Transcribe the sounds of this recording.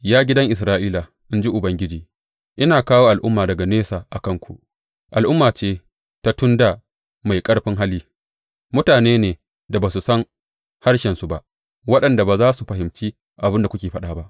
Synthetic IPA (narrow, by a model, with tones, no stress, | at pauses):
jaː˦ɡʲɪ˦dɐ˦ŋʔɪ˨s̬ɾaː˦ʔiː˦la˨ | ʔɪ˦nd͡ʒi˦ʔʊ˨bɐ˦ŋɡʲɪ˦d͡ʒiː˨ | ʔɪ˦naː˨kaː˦woː˦ʔa˨lʔʊ˦mːaː˨dɐ˨ɡa˨neː˦saː˨ʔa˨kɐ˦ŋkʷu˨ʔ | ʔa˨lʔʊ˦mːaː˨t͡ʃeː˦ | ta˦tʊ˦nda˨ | ma˨jkʼɐ˦ɽɸɪ˦ŋɦa˦liː˦ | mʊ˦taː˨neː˦neː˨ | da˨baː˨su˨sɐ˦ŋ | ha˦rʃɛ˨nsu˨ba˦ʔ | wɐ˦ɗɐ˨nda˨baː˨zaː˦su˨ɸɐ˨ɦɪ˨mt͡ʃiː˦ | ʔa˨bɪ˦nda˨kʷʊ˦kʲeː˨ɸɐ˦ɗaː˨˦ba˦ʔ